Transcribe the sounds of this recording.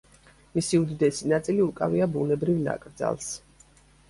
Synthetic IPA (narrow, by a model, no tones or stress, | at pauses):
misiud̪id̪ɛsinat̪sʼiliukʼaviabunɛbɾivna̰kʼɾd̪za̰lˠs